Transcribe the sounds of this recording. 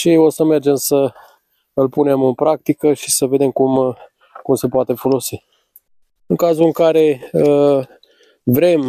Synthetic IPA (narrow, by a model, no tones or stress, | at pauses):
ʃio̞səme̞rd͡ʒe̞msə | ɨlpune̞mɨnpɾakt̪ikəʃi̥səve̞d̪e̞mkum | kumse̞poat̪e̞fo̞lo̞si | ɨŋkazuɨŋkaɾe̞ə | vɾe̞m